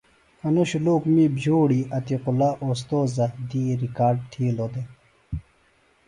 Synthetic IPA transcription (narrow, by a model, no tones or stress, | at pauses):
ɐnoɕuloːkmibd͡ʑoːɽiɐt̪iqulaʔoːs̬t̪oːzɐd̪iːɾikaːɾɖ̚t̪ʰiːlod̪e